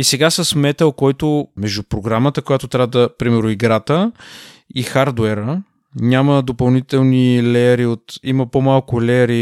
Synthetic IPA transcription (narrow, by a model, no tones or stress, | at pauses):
isɛɡasəsmɛt̪əlˠkɔjt̪omɛʒd̪upɾoɡɾamət̪əkojat̪ot̪ɾʲavəd̪əpɾimɛɾnʊiɡɾat̪ə | ixaɾd̪wɛɾə | nʲaməd̪opɐlˠnit̪ɛlˠnilɛəɾiot̪iməpomalˠkʊlɛəɾi